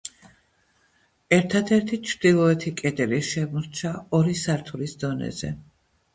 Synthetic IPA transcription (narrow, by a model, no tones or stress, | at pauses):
ɛɾt̪ʰad̪ɛɾt̪ʰit͡ʃʰɾd̪̥ilˠɔɛt̪ʰikʼɛd̪ɛliʃɛmɔɾt͡ʃʰaɔɾisaɾt̪ʰulisd̪ɔnɛ̰zɛ̰